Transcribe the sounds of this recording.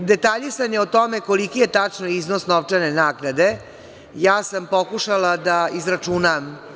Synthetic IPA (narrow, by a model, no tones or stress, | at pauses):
d̪e̞t̪aʎisanjeot̪omekolikijet̪at͡ʂnoiznosnoʋt͡ʂanenaːɡnad̪e̞ | jaːsampo̞kuʃalad̪aizɾat͡ʂunam